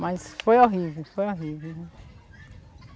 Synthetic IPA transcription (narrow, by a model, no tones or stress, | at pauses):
majsfojoɦivewfojɔɦivewnɛ